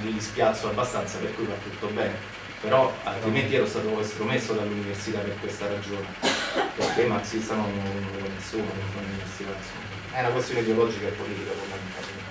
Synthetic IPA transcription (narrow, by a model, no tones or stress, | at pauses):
mid̪ispjat̪sːoabːast̪ant̪saperkuifat̪ːut̪ːobɛːne | peɾɔalt̪ɾiment̪iɛɾost̪aːt̪oest̪ɾomesːod̪alːuniversit̪apːerkwest̪aɾad͡ʒoːnepeɾk̟emaksist̪anononnoɛɾonːesːuːnanɛnfauniversit̪ainsomː | ɛunakwest̪joneid̪eolɔd͡ʒikaepːolit̪ikafond̪ament̪alke